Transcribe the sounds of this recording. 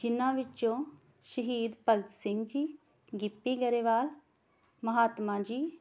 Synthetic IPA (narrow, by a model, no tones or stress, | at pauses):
d͡ʒɪnãːʋɪt͡ʃːt͡ʃõː | ʃəɦiːd̪pəlbsɪŋɡd͡ʒiː | ɡɪpːiːɡəɾeːʋaːl | məɦaːt̪mãːd͡ʒiː